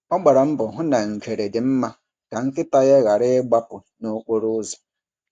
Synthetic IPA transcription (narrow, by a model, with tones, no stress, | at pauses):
ɔ˦ɡ͡ba˨ɾa˨m̩˦bʊ˨ɦʊ˦na˨ŋ̩˨kʰe˨ɾe˨dɪ˨m̩˦ma˦ | ka˨ŋ̩˦kɪ˦ta˦ɣe˦ɣa˨ɾɪ˦ɪ˦ɡ͡ba˦pʊ˨ | no˦k͡po˦ɾʊ˦zɔ̥˨